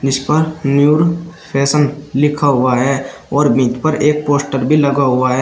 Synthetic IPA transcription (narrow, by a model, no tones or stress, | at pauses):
d͡ʒɪspəɾnjuːɾpʰɛːsənlɪkʰaɦʊaɦɛːɔːɾmit̪pəɾeːk̚poːsʈəɾbʱilɐɡaɦʊaɦɛː